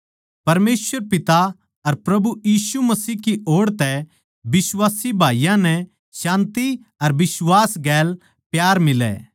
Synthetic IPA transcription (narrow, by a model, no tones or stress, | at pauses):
pɐɾmeːsʋəɾpɪt̪a | ɐɾpɾɐbujiːsumɐsiːkiʔoːɽt̪ɛ | bɪswaːsibʱaːijãnɛ | ʃãːnt̪i | ɐɾbɪswaːsɡɛːl | pjaːɾmɪlɛ̰ː